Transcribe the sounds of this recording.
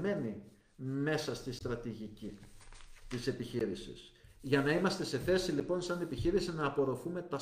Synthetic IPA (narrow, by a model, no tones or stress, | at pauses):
e̞ni | me̞sɐst̪ist̪ɾɐt̪iʝici | t̪ise̞piçiɾisḭsʝɐnɐimɐst̪e̞se̞θe̞silipo̞nsɐne̞piçiɾisinɐːpo̞ɾo̞fume̞t̪ɐ